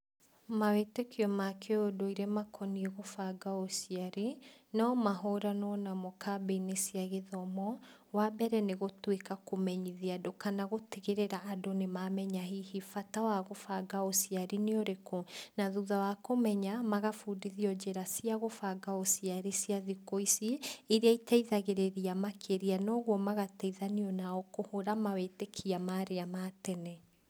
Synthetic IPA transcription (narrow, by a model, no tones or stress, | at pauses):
mawetekʰiɔmakʰeodoiɾɛmakʰɔnieɣofaɡaosiaɾinɔmaɦɔɾanɔnamokʰabeinesiaɣeðɔmɔ | wabɛɾɛneɣotwekakomɛɲiðiadokanaɣoteɣeɾeɾaʔːdonemamɛɲaɦihifatawaɣofaɡaosiaɾineoɾekonaðuðawakomɛɲamaɣafuːdiðiɔd͡ʑeɾasiaɣofaɡaosiaɾisiaðikoisiiɾeaitaiðaɣeɾeɾiamakʰeɾianɔɣwɔmaɣatɛiðaniɔnaɔkohoɾamawetekʰiamaɾeamatɛnɛ